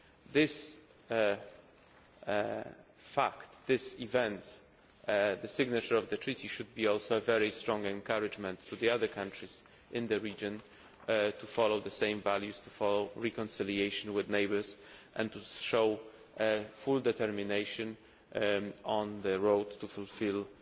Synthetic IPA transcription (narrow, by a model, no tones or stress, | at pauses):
ðɪs | fækt̪d̪ɪsivɛ̃nt̪ | d̪əsɪɡnat͡ʃəɹɔvd̪ətʰɹit̪iʃud̪̚biɔlsoʊəvɛɹistɹɔ̃ŋɛ̃nkʰaɹɪd͡ʒmɛ̃ntʰːuðiaðə˞kʰãntɹiz | ʔɪ̃nd̪ɨɹid͡ʒɔ̃n | t̪ufɔloʊd̪əsẽɪ̃mvæljust̪ufɔloʊɹikɔ̃nsɪlieɪʃɔ̃nwɪðneɪbəɹsʔɛ̰̃nt̪uʃoʊ | fuld̪ɛt̪ɛɹmineɪʃɔ̃n | ɔ̃nðəɹoʊdt̪ːufulfɪl